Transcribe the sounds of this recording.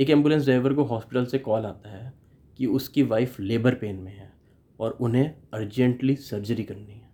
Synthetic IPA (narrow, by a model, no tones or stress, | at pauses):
eːkɛ̃ːmbjulə̃ns̬ɖɾaːɪʋəɾkoɦɔːspɪʈəlsekɔːlaːt̪aɦɛː | kiʊskiʋaːɪfleːbəɾpeːnmẽɦɛː | ɔːɾʊnɦẽɐɾd͡ʒə̃ɳʈlisɐɾd͡ʒəɾikɐɾniɦɛː